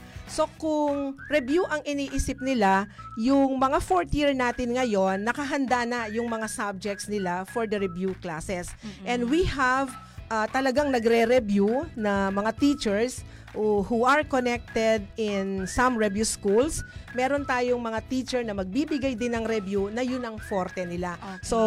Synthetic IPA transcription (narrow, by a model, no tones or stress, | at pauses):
so̞kʊŋɾɛbjuʔɐŋʔɪniːʔisɪp̚nɪlajʊŋmɐŋafoɹt̪jiɹnaːt̪ɪnŋɐjo̞nːɐkɐɦɐnd̪anɐjʊŋmɐŋasab̚d͡ʒɛk̚t̪snɪlafoɹd̪ɐɾɛbjuklaːsɛsʔɛnd̪wihɐv | ʔat̪ɐlɐɡaŋnɐɡɾɛɾɛbjunɐmɐŋat̪it͡ʃɛɹs | ʔohuɐɹkonɛk̚t̪ɛd̪̚ɪnsɐmɹɛvjuskulsmɛːɾo̞nt̪aːjoŋmɐŋat̪iːt͡ʃɛɹnɐmɐɡ̚biːbɪɡajd̪ɪnɐŋɾɛbjunɐjʊnɐŋfoɾt̪ɛnɪlaso